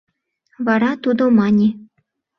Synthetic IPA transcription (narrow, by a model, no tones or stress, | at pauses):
vɑɾɑt̪ud̪omɑnʲi